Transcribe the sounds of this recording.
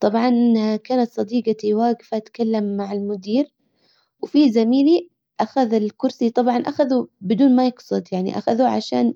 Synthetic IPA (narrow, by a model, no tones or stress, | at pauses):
t̪ˤɑbʕɑnʔakaːnat̪sˤɑd̪iːɡat̪iwaːɡɪfaʔat̪kalːamːaʕɪlmʊd̪iːɾ | wfizamiːli | ʔaxaðɪlkʊɾsit̪ˤɑbʕɑnʔaxaðubɪd̪uːnmajɪɡsˤʊd̪jaʕnḭʔa̰xaðuʕa̰ʃa̰ːn